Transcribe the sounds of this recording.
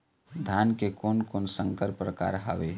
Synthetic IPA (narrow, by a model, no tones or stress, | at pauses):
d̪ʱankekoːnkoːnsə̃ŋkəɾpɾəka̰ːɾɦa̰ʋe